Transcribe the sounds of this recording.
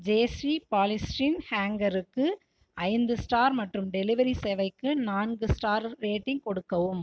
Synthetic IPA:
d͡ʒeːsɾipaːlɪsʈinhaːŋɡɐɾɯkːɯ | ʔɐɪnd̪ɯsʈaːɾmɐʈrɯmɖɛlɪʋɐɾisɛʋɐɪkːɯnaːnɡɯsʈaːɾːeːʈːɪŋkɔɽɯkːɐʋɯm

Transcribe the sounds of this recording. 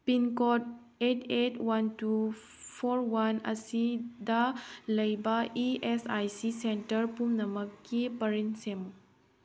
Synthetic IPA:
pinkot | etetwantu | pʰoɾwanɐ̰sidɐlɐjbɐiesajsisentɐɾpumnɐmɐkːipɐɾinsem

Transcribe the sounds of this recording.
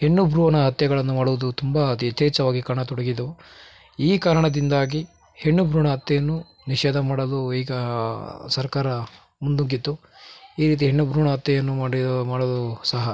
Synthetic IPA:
he̞ɳːubʱɾuːʋɐnɐɦɐt̪jɐɡɐɭɐnːumaːɽuʋud̪ut̪umbɐt̪ɐt̪ːeːt͡ʃɐʋaːɡikaɾɐɳɐt̪ɔɽɐɡid̪ɐu | iːkaːɾɐɳɐd̪ind̪aːɡi | he̞ɳːubʱɾuːɳɐɦɐt̪ːɐjɐnːu | niʃɛːd̪ʱɐmaːɽɐluiːɡɐ | sɐɾkaːɾɐ | mund̪uŋɡit̪ːu | iːɾiːt̪̬iɦeɳːubʱɾuːɳɐɦɐt̪jɐjɐnːuaːɽimaːɽɐlusɐɦɐ

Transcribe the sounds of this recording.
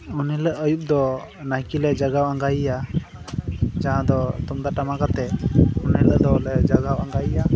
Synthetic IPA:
uniləʔəjup̚d̪ɔ | najkilɛd͡ʒaɡawaŋɡajija | d͡ʒaɦãd̪ɔt̪umd̪aʈamakat̪ɛuniləʔd̪ɔlɛd͡ʒaɡawaŋɡajija

